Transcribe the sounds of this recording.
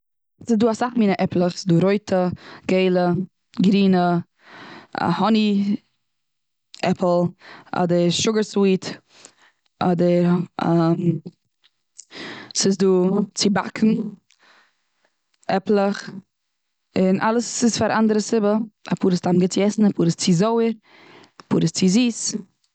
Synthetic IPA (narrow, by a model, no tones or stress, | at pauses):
sɪzduːasaχmiːnəʔɛplˠəχsɪ̥zduːɾoɪtʰəɡ̥eɪlˠə | ɡɾiːnə | a̰hɔni | ʔɛpʰl̩ˠʔɔ̰dəɾʃʊɡəɾswiːt | ɔdəɾam | sɪsduːt͡sɪba̰kʰn̩ | ɛplˠəχ | ɪnʔa̰lˠəsɪsfaɾʔandəɾəsɪbəa̰puːɾɪstamɡɪt͡sjɛsn̩apʰuːɾɪst͡sɪzoʊəɾ | apʰṵːɾɪst͡sɪziːs